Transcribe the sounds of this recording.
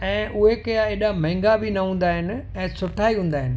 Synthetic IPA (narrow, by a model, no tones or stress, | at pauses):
ɛ̃ːʔʊɦekɐjaeːɗamɛ̃ːŋɡabʱɪnɐɦũːnd̪aːɦɪnɪ̆ | ɛ̃ːsʊʈʰaːiɦũːn̆d̪aːɦɪnɪ̆